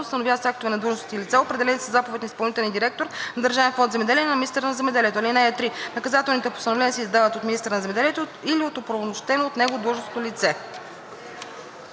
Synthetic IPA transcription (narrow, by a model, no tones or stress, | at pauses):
ʊst̪ɐnovjavət̪sjakt̪ovɛnɐd̪ɾuʒnost̪t̪ilit̪sɛopɾɛd̪ɛlɛnisəzapovɛt̪ʲnispɐlˠnit̪ɛlʲˠnʲid̪iɾɛk̚t̪oɾnɐd̪əɾʒavɛnfɔnd̪zɛmɛd̪ɛlijɛnɐminist̪ɛɾənɐzɛmɛd̪ɛliɛt̪olinaɛt̪ɾinɐkɐzat̪ɛlˠnit̪ɛpost̪ɐnovlɛnʲiəsɛizd̪avət̪ot̪mʲinist̪ɛɾənɐzɛmɛd̪ɛliɛt̪oiliot̪opɾɐvmoʃt̪ɛnoot̪nɛɡod̪ɾuʒnost̪ot̪lit̪sɛ